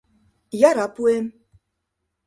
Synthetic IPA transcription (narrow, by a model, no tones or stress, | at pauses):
jaɾapuem